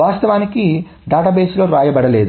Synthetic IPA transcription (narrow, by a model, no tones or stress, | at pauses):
aːst̪ɐʋaːniki | ɖaːʈaːbeːslo̞ːɾaːjɐbɐɽɐle̞ːd̪u